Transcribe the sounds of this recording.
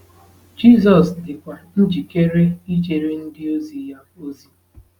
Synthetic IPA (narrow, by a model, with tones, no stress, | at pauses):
d͡ʒi˦˨zɔ˨sdɪ˨kʷa˨n̩˦d͡ʒi˨ke˦ɾe˦i˦d͡ʒe˨ɾe˦n̩˦dɪ˦o˦zi˨ja˦o˦zi˨